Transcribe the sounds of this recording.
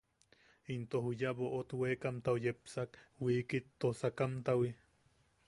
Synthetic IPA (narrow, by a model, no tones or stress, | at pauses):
int̪oɦujaβoʔot̪weːkamt̪awjepsakwikit̪ːosakamt̪awi